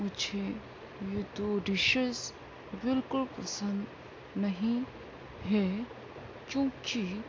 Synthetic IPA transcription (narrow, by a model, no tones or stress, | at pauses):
mʊd͡ʒʱe | jet̪oɖɪʃəz | bɪlkʊlpɐsə̃nd̪ | nɐɦĩ | ɦɛ | kjõːki